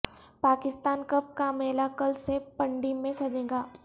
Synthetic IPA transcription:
paːkɪst̪aːnkɐp̚kamɛːlakəlsepɐ̃ɳɖimẽsɐd͡ʒẽːɡaː

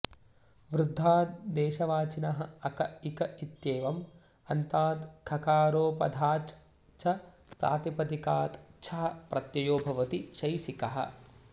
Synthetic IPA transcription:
ʋɾud̪ʱːaːd̪̚d̪eːʃɐʋaːt͡ʃinɐɦɐ̆ɐkɐikɐʔit̪jeːʋɐm | ɐnt̪aːd̪kʰɐkaːɾoːpɐd̪ʱaːt͡ʃ | t͡ʃʰɐ | pɾʔa̰ːt̪ipɐt̪ikaːt̪t͡ʃʰɐɦɐ̆pɾʔɐt̪jɐjoːbʱɐʋɐt̪iʃɐjsikɐɦɐ̰̆

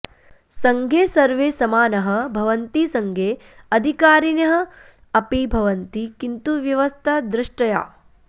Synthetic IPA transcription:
sɐŋɡʱeːsɐɾʋeːsɐmaːnɐɦɐ̆bʱɐʋɐnt̪isɐŋɡʱeːɐd̪ʱikaːɾinjɐɦɐ̆ | ɐpibʱɐʋɐnt̪ikint̪uʋjɐʋɐst̪ʰɐd̪ɾɪʂʈɐja̰ː

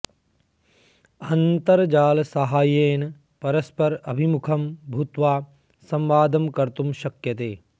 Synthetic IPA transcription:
ɐnt̪ɐɾd͡ʒaːlɐsɐɦaːjeːn | pɐɾɐspɐɾɐbʱimukʰɐmbʱut̪ʋaː | sɐmʋaːd̪ɐmkɐɾt̪umʃɐkjɐt̪eː

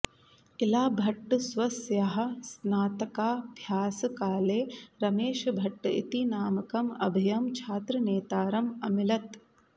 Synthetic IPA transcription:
ilaːbʱɐʈːusʋɐsjɐɦɐ̆snaːt̪ɐkaːbʱjaːsɐkaːleːɾɐmeːʃɐbʱɐʈːɨḭt̪inaːmɐkɐmɐ̰bʱijɐmt͡ʃʰaːt̪ɾɐneːt̪aːɾɐmɐmilɐt̪

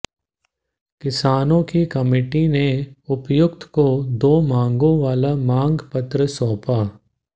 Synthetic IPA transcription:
kɪsaːnõkikɐmeːʈineʊpjʊk̚t̪ʰkod̪oːmãːŋɡõʋaːlamãːŋɡpɐt̪ɾəsɔːpaː

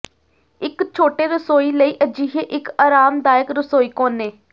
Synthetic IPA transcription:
ɪkt͡ʃʰoːʈeːɾəsoːiːləiːʔəd͡ʒiːɦeːʔɪkaːɾaːmd̪aːjəkɾəsoːiːkoːneː

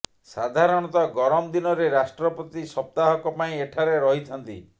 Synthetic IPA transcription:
sad̪ʱaɾɔɽ̃ɔt̪ɔɡɔɾɔmd̪inɔɾeɾasʈɾɔpɔt̪isɔp̚t̪aɦɔkɔpaĩeʈʰaɾeɾɔɦit̪ʰɔnt̪ḭ

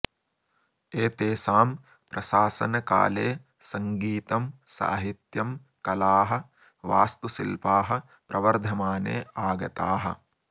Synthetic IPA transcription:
eːt̪eːsaːm | pɾɐʃaːsɐnɐka̰ːleː | sɐŋɡiːt̪ɐmsa̰ːɦit̪jɐm | kɐlaːɦɐ̆ | ʋaːst̪usḭlpaːɦɐ̆ | pɾɐʋɐɾd̪ʱɐmaːnḛːʔaːɡɐt̪aːɦɐ̰̆

